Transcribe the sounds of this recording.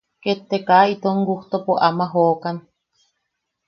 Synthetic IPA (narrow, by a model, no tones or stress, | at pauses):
ket̪ːekait̪oŋɡuht̪opoʔamaɦoːkan